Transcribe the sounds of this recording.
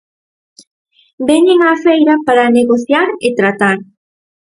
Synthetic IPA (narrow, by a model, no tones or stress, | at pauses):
bɛɲeŋafejɾapaɾaneɣoθjaɾet̪ɾat̪aɾ